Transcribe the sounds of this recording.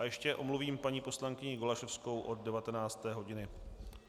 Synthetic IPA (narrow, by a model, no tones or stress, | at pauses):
ajɛʃcɛʔo̞mluviːmpaɲiːpo̞slaŋkɪɲɪɡolaʃɛfsko̞wʔo̞d̪̚dɛvat̪ɛnaːt͡st̪ɛːɦo̞ɟɪnɪ